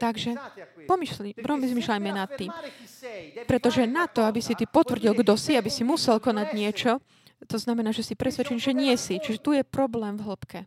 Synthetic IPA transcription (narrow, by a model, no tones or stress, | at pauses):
t̪aɡʒɛpɔmiʃimpɾɔmizmiːʃlajmɛnat̪ːiːm | pɾɛt̪ɔʒɛnat̪ɔabisit̪iːpɔt̪ʋr̩ɟilɡd̪ɔsiabisimusɛlkɔnaɟɲɪɛt͡ʃɔ | t̪ɔznamɛnaːʒɛsipɾɛsʋɛt͡ʃɛɲʒɛɲɪɛsit͡ʃiʒɛt̪ujɛpɾɔblɛːmvɦl̩pkɛ